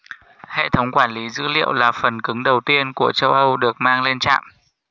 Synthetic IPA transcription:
hḛ˧˨t̪ʰə˨˦wŋ͡mkwaː˧˩nli˨˦zɨ̰˧˥lḭ˧˨əwlaː˨˩fə˨˩nkɨ˨˦ŋɗə˨˩wt̪i˧ənku˧˩ət͡ɕə˧wʔə˧wɗɨ˨˩ək̚maː˧ŋle˧nt͡ɕa̰ː˧˨mʔ

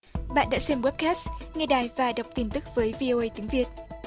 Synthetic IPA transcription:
ɓa̰ː˧˨nɗa̰ː˧˥sɛ˧mwɛ˦˥p̚kɛː˦˥sŋɛ˧ɗaː˨˩jvaː˨˩ɗə˨˩wk͡p̚t̪i˧˩nt̪ɨ˦˥k̚vəː˨˦jvi˧o˧ʔə˧jt̪i˨˦əŋvi˨˩ət̚

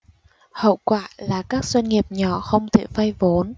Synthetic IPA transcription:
hə̰˧˨wkwaː˧˨laː˨˩kaː˦˥k̚zwə˧nŋi˨˩əp̚ɲɔ˧˩xə˧wŋ͡mt̪ʰḛ˧˩fa˧jvo˨˦n

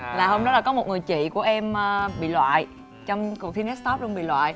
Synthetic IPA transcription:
laː˨˩hə˧wŋ͡mɗɔ˨˦˥laː˨˩kɔ˨˦mo˨˩t̚ŋɨ˨˩əjt͡ɕḭ˧˨ku˧˩əʔɛ˧məː˧ɓḭ˧˨lwa̰ː˧˨j | t͡ɕɔ˧wŋ͡mkk̚t̪ʰi˧nɛ˦˥st̪ɔ˦˥p̚lu˧nɓḭ˧˨lwa̰ː˧˨j

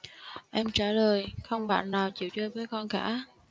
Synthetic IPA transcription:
ʔɛ˧mt͡ɕaː˧˩ləː˨˩jxə˧wŋ͡mɓa̰ː˧˨nːaː˨˩wt͡ɕḭ˧˨wt͡ɕəː˧jvəː˨˦jkɔ˧nkaː˧˥

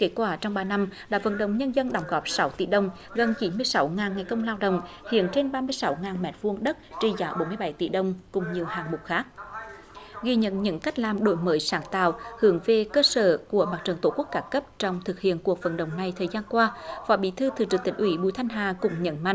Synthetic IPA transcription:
ke˨˦˥t̚kwaː˧˩t͡ɕɔ˧wŋ͡mɓaː˧na˧mɗa̰ː˧˥və̰˧˥nɗə̰˧˨wŋ͡mɲə˧nzə˧nɗɔ˨˩wŋ͡mɣɔ˨˦˥p̚sa˨˦wt̪ḭ˧˩ɗə˨˩wŋ͡m | ɣə˨˩nt͡ɕi˨˦nmɨ˧əjsa˨˦wŋaː˨˩nŋa˨˩jkə˧wŋ͡mlaː˧wɗə̰˧˨wŋ͡m | hḭ˧˨ənt͡ɕe˧nɓaː˧mɨ˧əjsa˨˦wŋaː˨˩nmɛ̰˨˩t̚vu˧əŋɗə˦˥t̚t͡ɕi˧zaː˨˦ɓo˨˦nmɨ˧əjɓa˨˩˦jt̪ḭ˧˩ɗə˨˧˩wŋ͡mkʊ˨˩ŋ͡mɲi˨˩əwhaː˨˩ŋmʊ˨˩k͡p̚xaː˦˥k̚ | ɣi˧ɲə̰˧˨nɲɨ̰˧˥ŋka˦˥jk̟̚laː˨˩mɗo̰˧˦jməː˨˦jsaː˨˩ŋt̪a̰ː˧˨whɨ˨˩˦əŋve˨˩kəː˧səː˧˩ku˧˩əɓaː˨˩t͡ɕə˨˩nt̪o˧˩ku˦˥ək̚kaː˧˦kə˦˥p̚t͡ɕɔ˧wŋ͡mt̪ʰɨ˨˩k̚hḭ˧˨ənku˨˩ək̚və̰˧˥˦nɗə̰˨˩wŋ͡mna˨˩jt̪ʰəː˨˩jzaː˧nkwaː˧fɔː˨˦ɓḭ˧˥t̪ʰɨ˧t̪ʰɨ˨˩t͡ɕɨ˨˧˩t̪ï˨˩ŋ̟ʔwi˧˨˦ɓṵ˧˨jt̪ʰa˧jŋ̟ɦaː˨˩kʊ̰˧˥ŋ͡mɲə̰˧˥nma̰˧˨ŋ

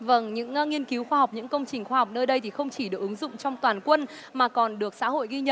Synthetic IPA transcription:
və˧˩ŋɲɨ̰˧˥ŋŋi˧ənki˨˦wxwaː˧ɦa˨˩wk͡p̚ɲɨ̰˧˥ŋkə˧wŋ͡mt͡ɕï˨˩ŋ̟xwaː˧ha˨˩wk͡p̚nəː˧jɗə˧jt̪ʰi˨˩xə˧wŋ͡mt͡ɕi˧˩ɗɨ˨˩ək̚ʔɨ˨˦ŋzʊ̰˧˨ŋ͡mt͡ɕɔ˧wŋ͡mt̪waː˨˩nkwə˧n | maː˨˩kɔ˨˩nɗɨ˨˩ək̚sa̰ː˧˥ho̰˧˨jɣi˧ɲə̰˧˨

